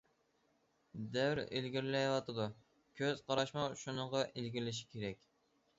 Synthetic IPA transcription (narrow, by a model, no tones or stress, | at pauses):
d̪æwɾḛlɡʲiɾlɛjwɑt̪ʰɨd̪u | kʲʰøz̥qʰɑɾɑʃmɑʃunəʁɑʔelɡʲiɾlɪʃ̬ɪ̥kʲʰeɾɛkʲ